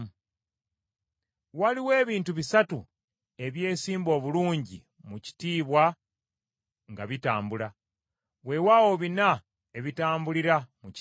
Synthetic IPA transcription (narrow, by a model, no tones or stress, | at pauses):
waliwe̞ːβiːntuβisatu | e̞βje̞ːsiːmbo̞ːβuluːɲɟi | muci̥tiːβwa | ŋɡaβitaːmbula | we̞wawo̞βina | e̞βitaːmbuliɾamuc